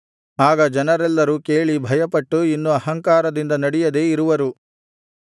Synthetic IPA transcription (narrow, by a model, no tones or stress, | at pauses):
aːɡɐd͡ʒɐnɐɾɛlːɐɾukeːɭibʱɐjɐpɐʈːuinːuɐɦɐŋkaːɾɐd̪ind̪ɐnɐɽijɐd̪e̞ːiɾuʋɐɾu